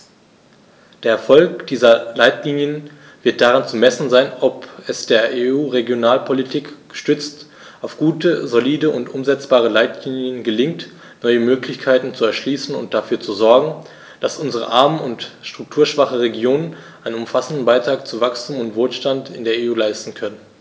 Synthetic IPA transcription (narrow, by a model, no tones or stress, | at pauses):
d̥eːɐɛɐfɔlkd̥iːzɐlaɪtʰliːnjən | vɪɐt̚d̥aʁant͡sumɛsn̩zaɪnɔpɛsd̥eːɐʔeuːʁeɡjonaːlpʰolitʰiːkɡ̥ə̥ʃtʏt͡st | ʔaʊfɡ̥uːtəzoliːdəʔʊntʔʊmzɛt͡sb̥aːʁ̞əlaɪtʰliːnjənɡəlɪŋt | nɔʏəmøːklɪçkʰaɪtn̩t͡suɛɐʃliːsn̩ʊ̰nt̚d̥afyːɐt͡suzɔɐɡŋ̩ | d̥asʔʊnzəʁə̰ʔaɐmənʊntʃtʁ̥ʊk̚tʰuːɐʃv̥aχəʁeɡjoːnənʔaɪnənʊmfasn̩dn̩baɪtʁ̥aːkt͡suvakstʰuːmʊntv̥oːlʃtantɪ̰ndeːɐeuːlaɪstn̩kʰœnən